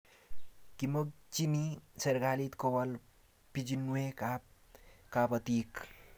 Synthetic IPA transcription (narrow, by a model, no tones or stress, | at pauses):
kiməɡ̚t͡ʃiniseɾɡalit̪kowal | pid͡ʒinːueka | kapət̪ik